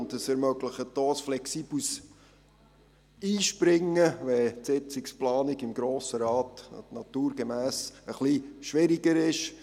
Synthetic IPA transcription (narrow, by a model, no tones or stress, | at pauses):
nt̪əsɛɾmœɡləχətdoːsflɛksiːb̥lus | iːʃpɾɪŋːəʋɛtsɪt͡sɪksplɑːniɡɪmɡɾoːsəɾɑːt̪nɑt̪uːɾɡ̥emæːsəχliʃʋɪɾiɡəɾɪʃ